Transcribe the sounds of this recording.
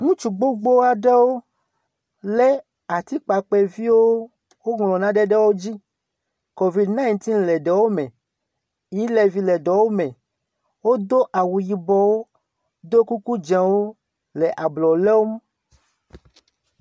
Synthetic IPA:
ŋũ˦t͡ʃu˨ɡ͡bo˦ɡ͡bo˦wa˦ɖɛ˦wo˦ | le˦ | a˨t̪i˦k͡pa˨k͡pɛ˦vi˦woo˦ | wo˦ŋlɔ̃˨nã˦ɖɛ˦ɖɛ˦wo˦d͡ʑi˦ | ko˨vi˨dnã˦ĩ˨nt̪ĩ˦n̩lɛ˨ɖɛ˨wo˦mɛ̃˨ | ji˦lɛ˨vi˨lɛ˨ɖɔ˨wo˦mɛ̃˨ | wo˦d̪o˦ʔa˨wu˨ji˨bɔ˨wo˦ | d̪o˦ku˦ku˦d͡ʒã˨wo˦ | le˨ʔa˨blɔ˨lɛ˦wo˦m˦

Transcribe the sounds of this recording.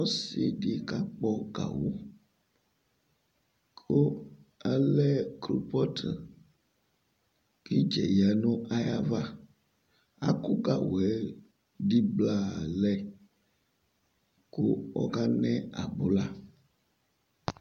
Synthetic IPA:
ɔ˦si˦˨ɖi˨ka˦k͡pɔ˦ɡa̰˨wo˦ | kʰo˦ɛ˦lɛ˦klu˨pɔ˦tʰə˨ | ki˦d͡ʒɛ̰˨ja˨nũ˦ʔa˦ja˦va˦ | a̰˦ku˦ɡa˨wo˨ɛ˦ | ɖi˦bla˦˨lɛ˦ | ko˦ɔ̰˦ka˦nɛ̃˦a̰˨bo˨la˦

